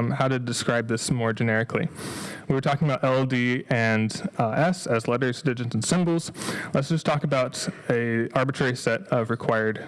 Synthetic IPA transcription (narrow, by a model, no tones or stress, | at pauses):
haʊɾɨdɨskɹaɪb̚ðɪsmɔɹd͡ʒɨnɛɹɨkʰlḭwiwə˞tʰɔkɪ̃ŋəbaʊɾɛlˠdiɛ̃nʔɛsɨzlɛɾə˞zdɪd͡ʒɨ̃ntn̩sɪ̃mbl̩ˠz̥lətsdʒ̥ʌstʰɔkəbaʊɾɨɑɹbɨtʰɹ̥ɛɹisɛɾʌvɹɨkʰw̥aɪə˞d̥